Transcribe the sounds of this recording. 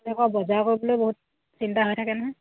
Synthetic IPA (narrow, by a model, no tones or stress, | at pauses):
lɛkɔbɔzakoɹibɔlojboɦut̚ | sintaɦojtʰakɛnɔɦɔ